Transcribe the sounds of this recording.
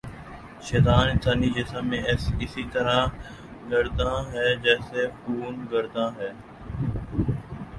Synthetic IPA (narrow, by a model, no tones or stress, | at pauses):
ʃɛːt̪aːnɪt̪ʰaːniːd͡ʒɪsəmẽːɪsiːt̪əɾãː | ɡəɾd̪ãːɦɛːd͡ʒɛːseːfuːnɡəɾd̪ãːɦɛː